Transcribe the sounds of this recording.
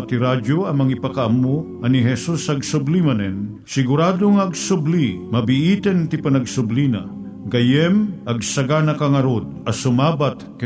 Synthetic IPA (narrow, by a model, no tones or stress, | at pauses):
t̪iɾad͡ʒoɐŋmɐŋipɐkɐʔɐmːo | ɐniɦɛsusɐɡsʊblimɐnɛn | sɪɡʊɾaːd̪oŋɐɡsʊblimɐbɪʔiːt̪ɛnt̪ɪpɐnɐɡsʊblina̰ | ɡɐjɛmʔɐɡsɐɡanɐkaŋɐɾod̪̚ɐsʊmaːbat̪k